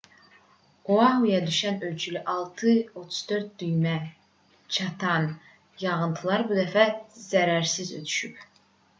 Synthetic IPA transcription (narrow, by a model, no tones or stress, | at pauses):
oɑhujɑd̪yʃænølt͡ʃʰylyʔɑlˠt̪ʰɨot̪ʰu̥z̥d̪øɾt̪̚d̪yjmæ | t͡ʃʰɑt̪ʰɑn | jɑʁɯnt̪ʰɯlˠɑɾbud̪æfæz̥æɾæɾsizø̰t̪ʰy̥ʃyp